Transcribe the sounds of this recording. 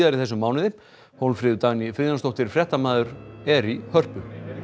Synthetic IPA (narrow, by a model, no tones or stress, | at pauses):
ðaɾɪθɛsːʏmːaːwnɪðɪ | howlfɾɪːðʏt̪aɣnifɪðjanst̪ɔht̪ɪɾ̥fɾjɛht̪amaːðʏɾɛɾihœr̥pʏ